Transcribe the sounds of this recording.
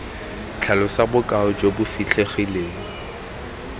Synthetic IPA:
t͡ɬʰalʊsabʊkʼaʊd͡ʒobʊfit͡ɬʰeχileːŋ̩

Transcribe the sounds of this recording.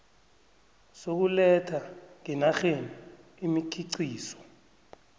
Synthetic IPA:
sok̬ulɛtʰaŋinaxeni | imikʰiǀiːsɔ̥

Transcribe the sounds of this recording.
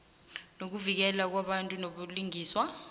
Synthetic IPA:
nok̬uvik̬ɛlak̬waɓantʼunoɓuliŋiːswa

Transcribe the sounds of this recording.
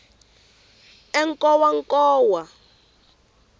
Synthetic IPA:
ɛŋkʼɔwaŋkʼɔːwa

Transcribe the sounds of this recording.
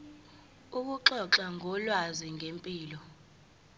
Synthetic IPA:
uk̬uǁɔǁaŋʱɔlwaziŋʱempʼiːlɔ

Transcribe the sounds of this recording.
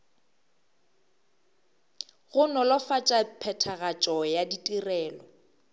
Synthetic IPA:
ɣʊnɔlɔfat͡ʃʼapʰɛtʰaɣat͡ʃʼɔjaditʼirɛːlɔ

